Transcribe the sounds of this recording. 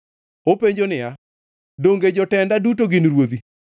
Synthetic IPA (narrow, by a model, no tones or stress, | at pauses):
opeɲd͡ʒonɪja | doŋɡed͡ʒɔtɛndadutoɡɪnɾwod̪i